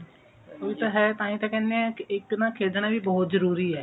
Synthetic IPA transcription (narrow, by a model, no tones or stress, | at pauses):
oːit̪aːɦɛːt̪ãːĩːt̪ãːkɛ̃ːndeãːkɪɪknãːkʰeːd͡ʒ̪ɽ̃aːbiːbɔːt̪zəɾuːɾiːɛː